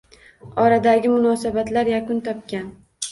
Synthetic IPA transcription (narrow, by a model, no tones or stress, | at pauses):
ɒɾad̪aɡʲɪmʊnɒsabat̪laɾjakʊnt̪ʰɒp̚kʲan